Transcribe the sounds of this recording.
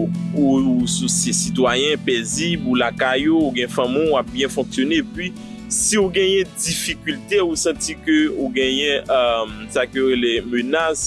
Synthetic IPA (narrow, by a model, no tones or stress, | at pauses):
usosesit̪wajɛ̃pezibulakajouɡɛ̃jɛ̃fãmũnwap̚bjɛ̃fɔ̃ksjonepɥi | siuɡɛ̃jɛ̃difikylt̪eusɑ̃tikøuɡɛ̃jɛ̃msakøjoɣelemønas